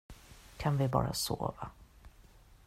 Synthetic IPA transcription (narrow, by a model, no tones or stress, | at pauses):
kʰanvɪbɑːɾasoːva